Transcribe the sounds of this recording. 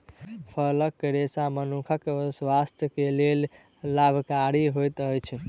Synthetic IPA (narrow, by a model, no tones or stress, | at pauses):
pʰələkːɾesamənukʰəkswast̪jəkelel | labʱkaɾiɦojt̪əjt͡ʃʰ